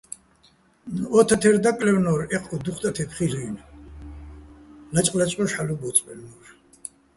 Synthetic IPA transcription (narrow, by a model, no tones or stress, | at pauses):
ɔt̪ʰat̪ʰɛɾd̪akʼlɛwnɔɾɛqʼɔd̪uχt̪ʼat̪ʰɛpʰχiliːn | nat͡ʃʼqʼlat͡ʃʼqʼɔʃħalɔbɔt̪sʼpʼɛlnɔɾ